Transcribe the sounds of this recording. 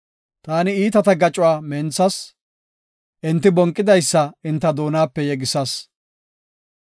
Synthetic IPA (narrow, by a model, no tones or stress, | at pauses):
t̪aːnɪiːt̪ɐt̪ɐɡɐt͡ʃʼʊwaːmɛnt͡sːɐs | ʔɪnt̪ːɪbɔŋkʼːɪd̪ɐjsːɐɪnt̪ːɐd̪o̞ːnaːpːɛjɛɡɪsɐs